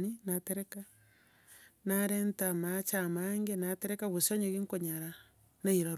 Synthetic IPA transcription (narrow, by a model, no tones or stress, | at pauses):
ninateɾeka | naɾentamat͡ʃamaŋɡenateɾekaβosjoɲoɣiŋkoɲaɾa | naiɾa